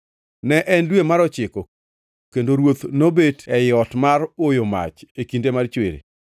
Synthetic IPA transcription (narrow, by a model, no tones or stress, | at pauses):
nɛʔɛndwemaɾɔt͡ʃɪko | kendoɾwot̪nobetɛjɔtmarojoma̰t͡ʃekindemart͡ʃwḛɾḛ